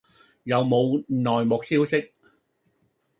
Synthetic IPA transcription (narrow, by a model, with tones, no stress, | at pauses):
jɐ˨wmo˨˧wnɔː˨jmʊ˨˩k̚siː˥wsɪ˥k̚